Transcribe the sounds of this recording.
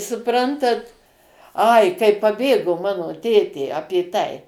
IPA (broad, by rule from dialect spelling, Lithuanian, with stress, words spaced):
sʊˈprɐntɐt ˈɐɪ kɐɪ pɐˈbʲeːɡoː ˈmɑːnoː ˈtʲeːtʲeː ˈɑːpʲeː ˈtɐɪ